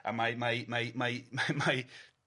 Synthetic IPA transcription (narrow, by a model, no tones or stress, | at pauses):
ʔə̰̃nmaɪmaɪmaɪmaɪmamaɪ